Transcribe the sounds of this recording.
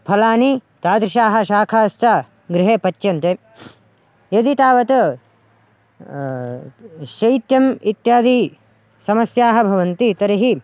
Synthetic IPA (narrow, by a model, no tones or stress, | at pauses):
pʰɐlaːnit̪aːd̪ɾɪʃaːɦɐ̆ʃaːkʰaːst̪aː | ɡɾɪɦeːpɐt͡ʃːjɐnt̪e | jɐd̪it̪aːʋɐt̪ɐ | ʃɐjt̪jɐmit̪jaːd̪i | sɐmɐsjaːɦɐ̆bʱɐʋɐnt̪it̪ɐɾiɦi